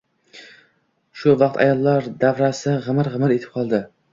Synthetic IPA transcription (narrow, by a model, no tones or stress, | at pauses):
ʃʊvɑq̚t̪ʰa̰jɒlˠːaɾd̪avɾasɪʁɨmɪɾʁɨmɪɾet̪ɪ̥p̚qʰɒlˠd̪ɪ